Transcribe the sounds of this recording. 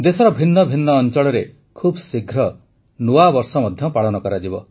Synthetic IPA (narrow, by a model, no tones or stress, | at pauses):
d̪esɔɾɔbʱinːɔbʱinːɔːnt͡ʃɔɭɔɾe | kʰubsiɡʱɾɔ | nuabɔɾsɔmɔd̪ʱjɔpaɭɔnɔkɔɾad͡ʒibɔ̰